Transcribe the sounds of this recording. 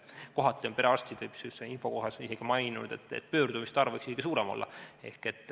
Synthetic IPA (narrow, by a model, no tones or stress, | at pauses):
ko̞ɦɑt̪ːˑio̞npe̞ɾeɑst̪id̪̥epsyseinfo̞ko̞ɦɑsise̞ɡ̥imɑjnṵd̪̥e̞t̪ːˑḛt̪ːpø̞ːrd̪umist̪ɑrveksiseɡ̥isuːɾemo̞̰lːɑ̰e̞̰hke̞t̪ːˑ